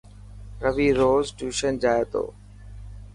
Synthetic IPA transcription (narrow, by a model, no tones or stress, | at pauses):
ɾəʋiːɾoːzʈuːʃənd͡ʒaːet̪o̰ː